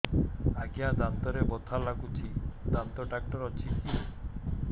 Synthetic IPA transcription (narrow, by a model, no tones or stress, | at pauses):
aɡijad̪ant̪ɔɾebɔt̪ʰalaɡut͡ʃʰid̪ant̪ɔɖak̚ʈɔɾɔt͡ʃʰit̪ʰi